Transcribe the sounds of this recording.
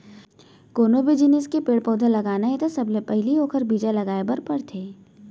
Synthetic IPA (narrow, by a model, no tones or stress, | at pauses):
koːnobed͡ʒineskepeːɽpɔːd̪ʱalɐɡaːnaɦɛt̪asɐblepɛɦlioːkʰəɾbʱiːd͡ʒalɐɡaːebɐɾpɐɾt̪ʰeː